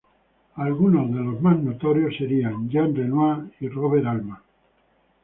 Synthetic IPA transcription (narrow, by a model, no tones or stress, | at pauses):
alɣunozðe̞lo̞zmaznot̪oɾjosːeɾiand͡ʒanrenwairoβeɾalma